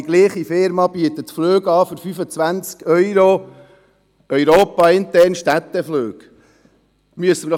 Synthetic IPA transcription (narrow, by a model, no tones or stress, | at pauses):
iɡ̥liːχifɪɾmɑb̥yət̪ət̪fløːɡɑːfɵɾfyfət͡sʋænt͡skœʏɾo | ʔœʏɾoːpɑɪnt̪ɛɾnʃtæt̪ːəfløːɡ̥ | myəsəmn